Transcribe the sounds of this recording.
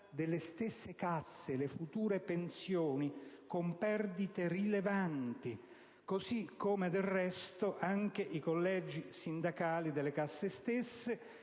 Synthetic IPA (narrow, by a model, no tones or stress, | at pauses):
d̪elːest̪ɪsːekasːelefut̪uːɾepensjoːnikompɛrd̪it̪erilevant̪i | kosikʰːoːmed̪elrːɛst̪oʔaŋk̟eʔikolːɛːd͡ʒisind̪akaːlid̪elːekasːest̪esːe